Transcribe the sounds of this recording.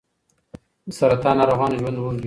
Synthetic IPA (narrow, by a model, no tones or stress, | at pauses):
d̪əsaɾat̪ɑnɑɾoɣɑːnʒwand̪wund̪